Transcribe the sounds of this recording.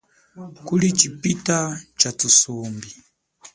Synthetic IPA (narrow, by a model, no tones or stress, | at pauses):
kulit͡ʃipitat͡ʃatusɔmbi